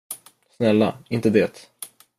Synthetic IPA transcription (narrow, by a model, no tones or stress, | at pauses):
snɛlːa̰ɪnt̪əd̪eːt̪